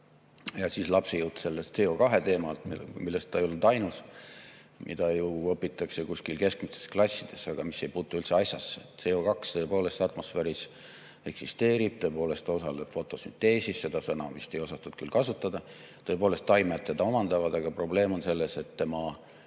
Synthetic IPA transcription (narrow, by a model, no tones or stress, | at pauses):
jɑsislɑpsejut̪se̞lːest̪se̞o̞kɑɦe̞t̪e̞ːmɑlt̪milːe̞st̪t̪ːɑejolud̪ɑjnus | mʔḭd̪̥ɑjuɤpːˑit̪ːˑɑkse̞kuskilke̞skmist̪e̞̥sklɑsʲːid̪̥e̞sɑɡ̥ɑmise̞jpuːt̪ːˑuylt̪seɑsʲjɑsːese̞o̞kɑkst̪ɤːpo̞ːle̞st̪ɑt̪mo̞sfeːɾis | e̞ksist̪e̞ːɾib̥̚t̪ɤ̞epo̞ːle̞st̪t̪ɑo̞sɑle̞b̥fo̞t̪ːˑo̞synt̪e̞ːsisse̞d̪̥ɑsɑnɑ̰vist̪e̞jo̞sɑt̪ːud̪̥kylkɑsut̪ːˑɑd̪̥ɑ | t̪ɤ̞poːlest̪ːɑjmet̪ːed̪̥ɑo̞mɑnd̪̥ɑvɑd̪̥ɑɡ̥ɑpro̞ble̞ːmo̞nse̞lːe̞se̞t̪ːe̞mɑ